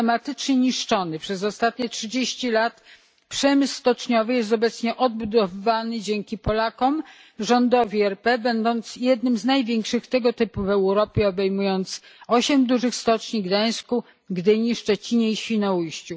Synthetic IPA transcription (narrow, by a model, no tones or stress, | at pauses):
ɛmat̪ɘt͡ʂɲɛɲiʂt͡ʂɔnɘpʂɛzɔst̪at̪ɲɛtʂɘd͡ʑeɕt͡ɕilat̪ | pʂɛmɘsst̪ɔt͡ʂɲɔvɘjɛs̬t̪ɔbɛt̪sɲɛʔɔd̪̚bud̪ɔvɘvanɘd͡ʑeŋkʲipɔlakɔm | ʐɔnd̪ɔvʲiɛɾpɛbɛnd̪ɔnt̪sjɛd̪nɘmznajvʲjɛŋkʂɘxt̪ɛɡɔt̪ɘpuvɛwɾɔpʲjɛɔbɛjmujɔnt̪sɔɕɛmd̪uʐɘxst̪ɔt͡ʂɲiɡd̪aj̃sku | ɡd̪ɘɲiʂt͡ʂɛt͡ɕiɲɛiɕfʲinɔujɕt͡ɕu